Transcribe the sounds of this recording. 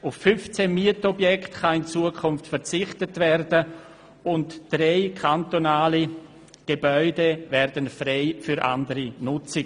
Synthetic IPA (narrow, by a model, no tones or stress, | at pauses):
ʊfːʏnft͡semiətɔbjɛktχaɪnt͡suəkʰʊnftfɛɾt͡sɪχtətvɛrdə | ʊntd̥reɪkʰantonaːli | ɡ̥ebœʏdevɛɾdənfreɪfyɾʔa̰ndəɾinʊt͡sɪɡ